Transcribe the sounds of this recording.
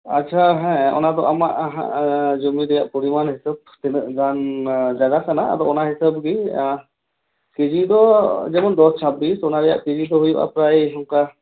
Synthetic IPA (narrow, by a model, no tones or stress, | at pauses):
att͡ʃʰaɦɛ̃ɔ̰nad̪ɔʔamaʔɦa̰d͡ʒɔmidɛjaʔpɔɾimanhisab̚t̪ɛnzand͡ʒaɡakanaa̰d̪ɔɔnaɦisab̚ɡi | ked͡ʒid̪ɔd͡ʒɛmɔnd̪ɔst͡ʃʰabisɔnaɾɛja̰ʔked͡ʒid̪ɔɦujuʔa̰pɾajɦɔŋka